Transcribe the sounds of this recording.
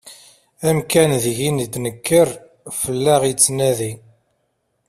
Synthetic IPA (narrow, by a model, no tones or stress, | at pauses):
æmkænðʝinid̪nəkːəɾ | fəlːæʁit͡sːnæði